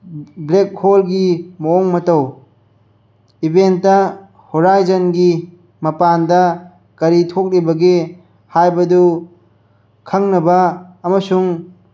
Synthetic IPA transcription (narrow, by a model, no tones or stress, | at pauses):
blek̚holɡimoːŋmɐtɐw | ibentːɐ | hoɾajzɐnɡi | mɐpandɐ | kɐɾitʰok̚ɾibɐɡe | hajbɐdu | kʰɐŋnɐbɐːmɐsuŋ